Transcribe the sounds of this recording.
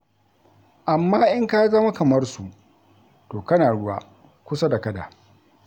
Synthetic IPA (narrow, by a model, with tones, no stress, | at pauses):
ʔa˨mːaː˦ʔɪ˦ŋka˦zɐ˦ma˦kɐ˨mɐ˦rsu˨ | toː˨kɐ˦naː˨ɽʊ˦wa̰˦ | kʷʊ˦sa˦da˨kɐ˦da̰ː˨